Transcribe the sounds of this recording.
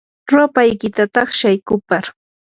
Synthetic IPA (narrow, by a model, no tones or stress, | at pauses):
ɾopajkɪt̪at̪ɑχʃajkʊpaɾ